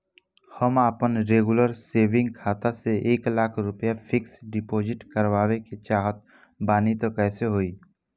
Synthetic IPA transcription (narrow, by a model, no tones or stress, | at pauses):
həmaːpənɾeːɡʊləɾseːʋɪ̃ŋɡ̚kʰaːt̪aseʔeːklaːkʰɾʊpjafʰɪksɖɪpoːd͡ʒɪʈkəɾwaːʋeket͡ʃaːɦət̪̚ | baːnit̪okɛːseɦoːiː